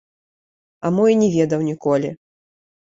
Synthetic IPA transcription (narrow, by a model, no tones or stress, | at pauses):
ɐmɔjnʲɛvʲɛd̪ɐwnʲikɔlʲḭ